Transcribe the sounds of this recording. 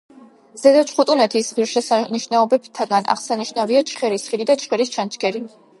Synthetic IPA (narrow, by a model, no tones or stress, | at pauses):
zɛd̪at͡ʃʰχut̪ʼunɛt̪ʰisʁiɾʃɛsaniʃnaɔbɛbt̪ʰaɡana̰ʁsaniʃnaviat͡ʃʰχɛɾisχid̪id̪at͡ʃʰχɛɾist͡ʃʰant͡ʃʰɡɛɾi